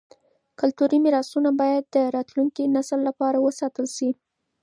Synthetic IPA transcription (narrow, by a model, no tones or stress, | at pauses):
kʊlt̪uɾimɪɾɑsunabɑjad̪ːəɾɑt̪luŋkinasəlːapɑɾawəsɑt̪əlʃi